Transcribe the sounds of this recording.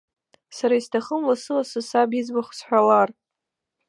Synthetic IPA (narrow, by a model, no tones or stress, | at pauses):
saɾaistʰaχəmlasɨlasɨsabid͡zbaχʷsħʷᶣalar